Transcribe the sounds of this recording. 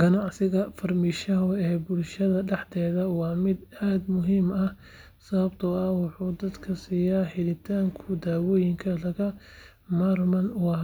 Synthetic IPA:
ɡ̥ɐnɑʕsɪɣɐfɐrmiːʃɐɦʊɛːbʊlʃɐðɐɖɛħt̪ʰɛːðɐwɑːmɪd̪aːd̪mʊɦiːmɐ | sɐβɐbt̪ʰɐɐwɑħuːd̪ɐd̪kʰɐsiːjaːħɪlɪt̪ʰaːŋkʰʊd̪aːwɔːjɪŋkʰɐlɐɣɐ | marmɐnʊw

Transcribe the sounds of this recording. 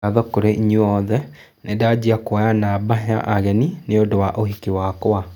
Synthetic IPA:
aðɔkoɾeiɲuɔðɛ | nedad͡ʑiakɔjanabaɦea̰ʔaɣɛnineodowaʔohikiwakwa

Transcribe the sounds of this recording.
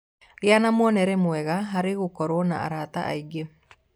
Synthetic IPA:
ɾɪanamwɔnɛɾɛmwɛɣaɦaɾeɣokɔɾwɔna̰a̰ɾat̪a̰ʔa̰iɡe

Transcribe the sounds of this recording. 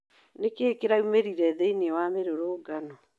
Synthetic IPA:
nekeːkeɾaumeɾiɾɛðeinewameɾoɾoːɡanɔ

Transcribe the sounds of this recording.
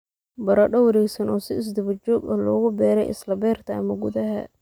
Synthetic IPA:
bɐɾɐɗɔwɐɾɛɡsɐnɔːsɪɪs̬d̪ɐβɐt͡ʃɔːɡɐlɔːɣʊbɛːɾɛ̰jʔɪ̰slɐbɛːrt̪ʰɐɐmɐɡʊðɐɦɐ̰

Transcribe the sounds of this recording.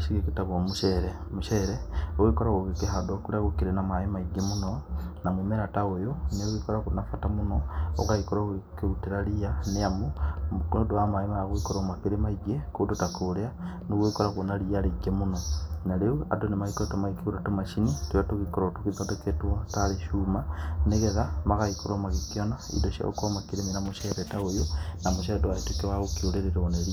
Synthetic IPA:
ʃikikitaβomuʃeɾe | muʃeɾeowikoɾaɣoɣikeɦadokuɾaɣukiɾenamaimaiɡemunonamumeɾataojoneuɣikoɾakunafatamunoo̰kaikoɾoɣikeutiɾalijaneamu | doamaimaaɣuikoɾomakiɾemaiɡekudutakulea | noɣwikoɾakwonaɾiaɾeɡemunonaɾeua̰donemaikoɾetomaikiuɾatomaʃinitwatuɣikoɾotukitodeketwotaɾeʃumaneɣeðamaɣaikoɾomaɣikionaḭdoʃa̰o̰komakiɾeminamoʃeɾetaojonamoʃeɾetowaitwukewaɣokioɾeɾeɾoneɾi

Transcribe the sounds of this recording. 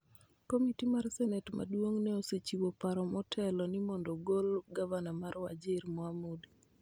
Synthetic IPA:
komitimarsɛnɛtma̰dwoŋnɛoset͡ʃiwopaɾɔmɔtʰɛlɔnimɔndɔɡolɡavanamaɾwa̰d͡ʒɪɾmɔamodi

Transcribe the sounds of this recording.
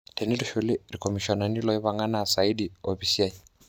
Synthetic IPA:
tʰɛniluʃuliɾikɔmiʃɔnanilɔiβaŋanaːsaidiɔɸisiaji

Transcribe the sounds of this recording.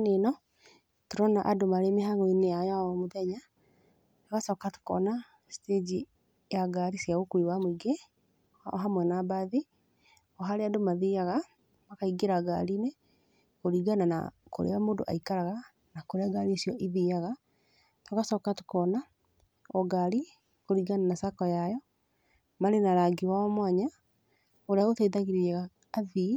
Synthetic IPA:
nenɔ | toɾɔnaʔadomaɾemeɦaɣoineajaɔmoðɛɲa | toɣasɔkato̥kɔ̰na | sted͡ʒi | jaɡaɾisjaɣokuiwamoiɡe | ɦamwɛnabaði | ɔɦaɾeadomaðiaɣa | makaiɡeɾaɡa̰ɾiːne | koɾiːɡanana̰ko̰ɾḛamoːdo̰ʔa̰ikaɾaɣa | nakoɾeaɡaɾisjɔʔiðiaɣa | tokasɔkatekɔna | ɔɡaɾi | koɾiːɡananasakɔjajɔ | maɾenaɾaɡiwaɔmwaɲa | oɾeaɣoteðaɣiɾiɛɣaː | ði

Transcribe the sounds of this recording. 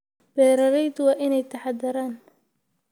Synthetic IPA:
b̥ɛːɾɐɾɛjd̪ʊwɑːʔɪnɛjt̪ʰɐħɑd̪ɐɾaːn

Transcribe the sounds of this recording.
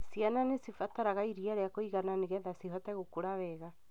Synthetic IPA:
siananesifataɾaɣaiɾiaɾeakoiɣananeɣɛðasiɦɔtɛɣokuɾaβɛɣa

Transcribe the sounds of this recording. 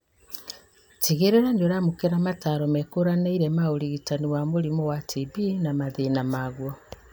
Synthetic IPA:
tiɣeɾeɾandoɾamokeɾamataːɾɔmɛkoɾaneiɾɛmaoɾiɣitaniwamoɾimɔwatʰibinamaðenamaɣwɔ

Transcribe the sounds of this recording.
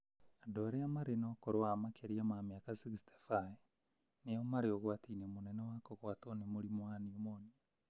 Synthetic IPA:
adoɾeamaɾenokoɾoamakʰeɾiamamjakasiɣiste̥fae | nejomaɾeoɣwaːtiːnemunɛnewakoɣwatonemuɾimwaniomoni

